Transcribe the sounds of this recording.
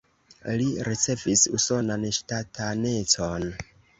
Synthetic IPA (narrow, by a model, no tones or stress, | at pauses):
liɾit͡se̞visuso̞nanʃtatʰane̞t͡son